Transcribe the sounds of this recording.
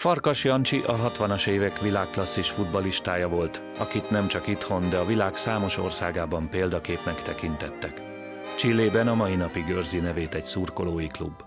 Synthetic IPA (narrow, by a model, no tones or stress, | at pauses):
fɒrkɒʃjɒnt͡ʃiʔɒɦɒt̪ʋɒnɒʃeːvɛkʋilaːkːlɒsːiʃfud̪bɒliʃt̪aːjɒvo̞lt̪ | ɒ̰kit̪nɛmt͡ʃɒkit̪ho̞nd̪ɛɒvilaːksaːmo̞ʃo̞̰rsaːɡaːbɒmpeːld̪ɒkeːpnɛkt̪ɛkint̪ɛt̪ːɛk | t͡ʃilːeːbɛnɒmɒjinɒpiɡørzinɛveːt̪ɛcsuːrko̞loːjiklubː